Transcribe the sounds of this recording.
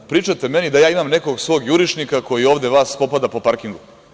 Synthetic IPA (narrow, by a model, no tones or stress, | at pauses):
pɾiːt͡ʃat̪e̞me̞nid̪ajaːimamneko̞ɡsʋo̞ːɡjuɾiʃnikako̞jio̞ːʋd̪eʋaːspo̞pad̪apo̞paɾkiŋɡu